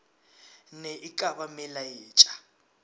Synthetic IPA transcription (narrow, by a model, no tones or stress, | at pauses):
nɛʔikʼaβamɛlajeːt͡ʃʼḁ